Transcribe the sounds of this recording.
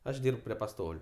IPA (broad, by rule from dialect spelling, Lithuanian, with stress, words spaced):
ˈɐʃ ˈdʲiːrp pʲrʲiɛ pɐˈstoːlʲʊ